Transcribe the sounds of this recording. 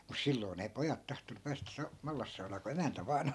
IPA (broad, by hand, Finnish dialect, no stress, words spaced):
mus silːoi̯n ei pojɑt tɑhtonu pæːstæ sɑu mɑlːɑsːɑunɑː ku emæntæ ʋɑːn